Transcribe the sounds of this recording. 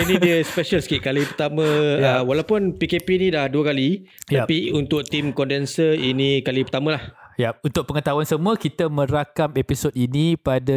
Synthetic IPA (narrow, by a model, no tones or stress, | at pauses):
inĩdiəspɛʃəlskiʔkalipərt̪amə̃jəwalawpʊnpikepinĩdahduəkalij̪apiunt̪ʊʔ̚t̪imkɔndɛnsəinĩkalipərt̪amə̃lahjap̚unt̪ʊk̚pəŋət̪awansəmuəkit̪amə̃ɾakamepisotinĩpada